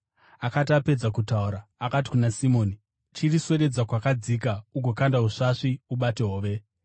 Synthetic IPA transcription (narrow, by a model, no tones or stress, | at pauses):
akat̬iape̞d͡zakutauɾaːkat̬i̥kunasimo̞ːni | t͡ʃiriswe̞ɾe̞d͡zakwakad͡zikauɡʱo̞kandaɦuʂaʂiuɓate̞ɦoːʋe̞